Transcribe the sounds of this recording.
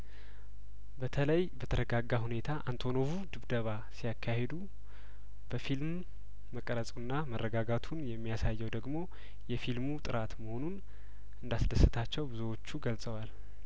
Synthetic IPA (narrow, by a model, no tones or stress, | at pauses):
bət̪ʰələjbət̪ʰəɾəɡaɡːaɦune̞t̪ʰaʔant̪ʰo̞no̞vud̪ɨβd̪əβa | sijakʰːahe̞d̪u | b̥əfilmː | əkʼəɾəsʼunːamərːəɡaɡat̪ʰunjɛmːijasajːɛwd̪əɡmo̞ | jɛfilmut̪ʼɨɾʔat̪məho̞nun | ʔɨnd̪asd̪əsɨt̪ʰat͡ʃːɛwbɨzuwo̞t͡ʃːuɡəlsʼəwal